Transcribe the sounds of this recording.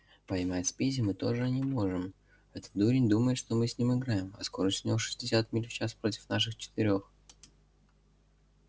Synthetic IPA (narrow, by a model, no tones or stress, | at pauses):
pɐjmʲatʲspʲizʲɪmɨt̪o̞ʐɨnʲɪmoʐɨm | ɛt̪ə̥t̪d̪uɾʲɪnʲd̪uməjɪt̪ʂt̪o̞mɨsʲnʲimɨɡɾajɪmɐ̰sko̞ɾəsʲtʲnʲɪoʂɨ̥sʲdʲɪsʲat̪mʲilʲft͡ɕaspɾo̞tʲɪ̥fnaʂɨxt͡ɕɪ̥t̪ɪɾʲo̞x